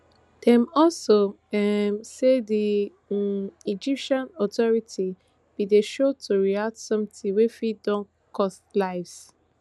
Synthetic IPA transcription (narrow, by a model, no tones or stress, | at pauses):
d̥ɛ̃mɔlso | ɛmsedi | id͡ʒipʃãnɔtʰɔɹitʰi | b̥ideʃotʰuɹiatsɔ̃mtĩwefidɔ̃n | kʰɔslaɪs